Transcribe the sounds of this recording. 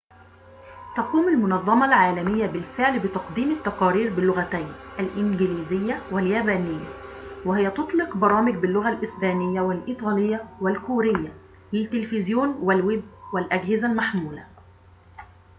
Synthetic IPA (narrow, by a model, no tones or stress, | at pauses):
t̪ɑquːmɪlmʊnɑðˤːɑmɑlʕaːlæmɪjːæbɪlfɪʕlbɪt̪ɑqd̪iːmɪt̪ːɑqɑːɾiːɾbɪlːʊɣæt̪æjnʔælʔɪnɡɪliːzɪjːæwɪljæːbæːnɪjːæ | wɪhɪjːæt̪ʊt̪ˤlɪqbɑɾˤɑːmɪɡ̚bɪlːʊɣælʔɪsbæːnɪjːæwɪlʔiːt̪ˤɑːlɪjːæwɪlkuːɾɪjːa | lɪt̪ːɪlfɪzjuːnwɪlwɪbwɪlʔæɡhɪzælmaħmuːlæ̰